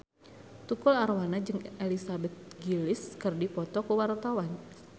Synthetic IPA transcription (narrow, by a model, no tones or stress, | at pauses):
t̪ukularwanad͡ʒɨŋɛlisabɛt̪̚ɡilɪskɨrdipɔt̪ɔkuwart̪awan